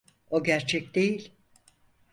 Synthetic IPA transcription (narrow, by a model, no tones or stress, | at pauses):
o̞ɟæɾt͡ʃʰɛcd̪e̞jilʲ